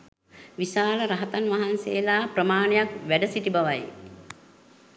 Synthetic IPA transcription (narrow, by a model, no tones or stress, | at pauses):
ʋisaːləɾaɦət̪anʋaɦansejːlaːprəmaːnejakʋæɖəsiʈibaʋaj